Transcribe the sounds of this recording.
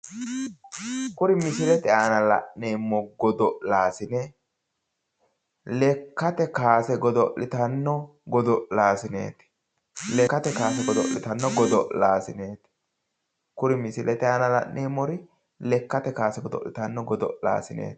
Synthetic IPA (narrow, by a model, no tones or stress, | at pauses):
kʊɾɪmɪsɪlɛt̪ɛaːnɐlɐ̰ʔneːmːɔɡɔd̪ɔʔlaːsɪnɛ | lɛkːɐt̪ɛkaːsɛɡɔd̪ɔʔɪt̪ɐnːɔɡɔd̪ɔʔlaːsɪnḛːt̪ɪ̥ | lɛkːɐt̪ɛkaːsɛɡɔd̪ɔʔlɪt̪ɐnːɔɡɔd̪ɔʔlaːsɪneːt̪ɪ̥ | kʊɾɪmɪsɪlʔɛt̪ɛaːnɐlɐ̰ʔnʔeːmːɔɾɪ | lɛkːɐt̪ɛkaːsɛɡɔd̪ɔ̰ʔlɪt̪ɐnːɔɡɔd̪ɔ̰ʔla̰ːsɪnḛːt̪